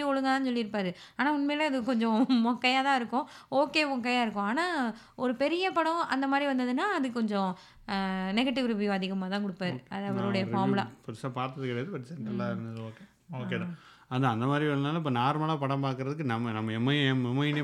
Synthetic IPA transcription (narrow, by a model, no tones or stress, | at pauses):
ɔɭɯŋɡɐaːnɯsɔlːɪɾɯpːaːɾɯ | aːnaːʊnmeːlɐɐðɯkɔɲd͡ʒɔ̃mɔkːɐjaːt̪ãːɪɾɯkːʊ̃oːkːeːʋɔ̃k̬ɐjaːɪɾɯkːʊ̃aːnaː | ɔɾɯpɛɾɪjɐpɐɽɔ̃ɐ̰nd̪ɐmaːd̪ɾiʋɐnd̪ɐðɯnaːɐðɯkɔɲd͡ʒɔ̃ | nɛɣɐʈːɪʋɾɯʋɪjõɐðɪɣɐmaːt̪ãːkɔɽɯpːaːɾɯɐðɐʋɐɾɯɽɐjɐfaːɾmɪla̰pʊɾɯsaːpaːɾt̪ɐðɯkːɪɽɐjɐðɯpɐʈːsɛɳʈɾɐlaːɪɾɯnd̪ɐðɯoːkeː | oːkeːðã | ɐnd̪ãːɐnd̪ɐmaːd̪ɾiʋɐnd̪ɐnːaːlɐɪp̬ːɐːnaːɾmɐːlaːpɐɽɐ̃mpaːkɯɾɐðɯk̬ːɯnɐmːɐnɐmːɐɛmːɐmɛmɐjne